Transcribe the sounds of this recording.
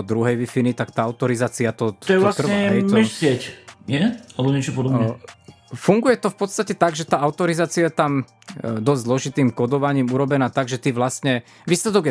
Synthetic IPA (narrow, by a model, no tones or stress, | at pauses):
d̪ɾuɦɛjʋifinit̪akt̪aːaʊt̪ɔɾizaːt͡siat̪ɔ̥t̪ɔjɛlaskr̩ɲɛɛmɛʃsɪɛcɛalɛbɔɲɪɛt͡ʃɔpɔd̪ɔbɛ | fuŋɡujɛt̪ɔfpɔt̪st̪acɛt̪aɡʒɛt̪aːʔaʊt̪ɔɾizaːt͡siajɛt̪am | d̪ɔzʲzlɔʒit̪iːmkɔd̪ɔʋaɲiːmuɾɔbɛnaːt̪aɡʒɛt̪iːʋlasɲɛ | ʋiːslɛd̪ɔɡjɛ